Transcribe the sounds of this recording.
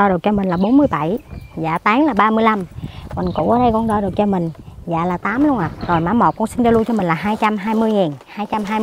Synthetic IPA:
ɔ˧ɗɨ˨˩ək̚t͡ɕɔ˧mï˨˩ŋ̟laː˨˩ɓo˨˦nmɨ˧əjɓa˧˩jza̰ː˧˩t̪aː˨˦ŋlaː˨˩ɓaː˧mɨ˧əjla˧mkwɔ̰˨˩nkṵ˧˩wʔəː˧˦ɗə˧jkɔ˧nɗɔ˧ɗɨ˨˩ək̚t͡ɕɔ˧mï˨˩ŋ̟za̰ː˧˨laː˨˩t̪aː˨˦mlu˧əŋʔaː˨˩zo˨˩jmaː˨˦mo˨˩t̚kɔ˧nsi˧ŋzɔ˧lu˧jt͡ɕɔ˧mi̟˨˩laː˨˩ɦaː˧jt͡ɕa˧mɦaː˧jmɨ˧əjŋiː˨˩nhaː˧jt͡ɕa˧mɦaː˧j

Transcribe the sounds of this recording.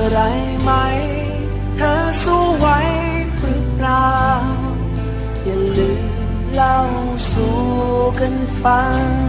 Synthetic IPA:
ɾa˨˦j | ma˧˦j | t̪ʰə˧˦ | su˧˥wa˧˦j | pɨ˧˩˦pla˧˦ | jə˨˩lɨ˨˩ | la˧˩w | su˨˦ | kə˧˥nfa˧˦ŋ

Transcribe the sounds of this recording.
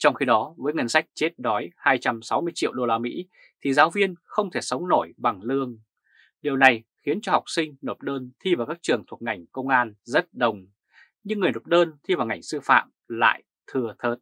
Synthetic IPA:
t͡ɕɔ˧wŋ͡mxi˧ɗɔ˨˦vəː˨˦jŋə˧˩nsa˦˥jk̟̚t͡ɕe˦˥t̚ɗɔ˨˦jhaː˧jt͡ɕa˧msa˨˦wmɨ˧əjt͡ɕḭ˧˨əwɗo˧laː˧mḭ˧˥ | t̪ʰi˨˩zaː˨˦wvi˧ənxə˧wŋ͡mt̪ʰe˧˩sə˨˦wŋ͡mno˧˩jɓa˨˩ŋlɨ˧əŋ | ɗi˨˩əwna˨˩jxi˨˦ənt͡ɕɔ˧ha˨˩wk͡p̚sï˧ŋ̟no˨˩p̚ɗəː˧nt̪ʰi˧vaː˨˩wkaː˦˥k̚t͡ɕɨ˨˩əŋt̪ʰu˨˩ək̚ŋa˨˩jŋ̟kə˧wŋ͡mʔaː˧nzə˦˥t̚ɗə˨˩wŋ͡m | ɲɨ˧ŋː˨˩əjno˨˩p̚ɗəː˧nt̪ʰi˧vaː˨˩wŋa˨˩jŋ̟sɨ˧fa̰ː˧˨m | la̰ː˧˨j | t̪ʰɨ˨˩ət̪ʰəː˨˩t̚

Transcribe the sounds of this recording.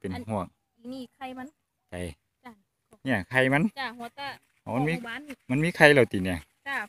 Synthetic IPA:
pe˨nɦu˧˩ək̚ː | ka˧ja˧˥ | t͡ɕa˨˩j | ɲi˧˩˨kʰa˧˩jma˧˥n˧ | ha˨˩wma˧˥˨nmiː˧˥˨ma˧˥˨miː˧˥˨kʰa˧jlɛː˧˩wt̪iː˨˩ni˧˩ə˨˧

